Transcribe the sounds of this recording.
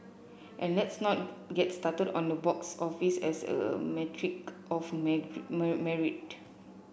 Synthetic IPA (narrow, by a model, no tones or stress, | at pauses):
ʔɛ̃nlɛtsnɔt̚ɡɛtstatədɔ̰̃ndəbɔksɔfisɛ̰sə̰mɛtʰɹikɔfmmmɛɹit̚